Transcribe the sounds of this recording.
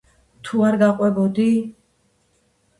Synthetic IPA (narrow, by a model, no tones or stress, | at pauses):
t̪ʰuaɾɡaqʼwɛbɔd̪i